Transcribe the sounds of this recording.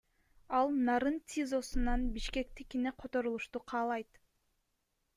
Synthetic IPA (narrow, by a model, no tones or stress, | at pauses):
ɑlˠnɑɾɯnt̪ʲizo̞sunɑnbiʃke̞k̚t̪ikineqʰo̞t̪o̞ɾulˠuʃt̪uqʰɑːlˠɑjt̪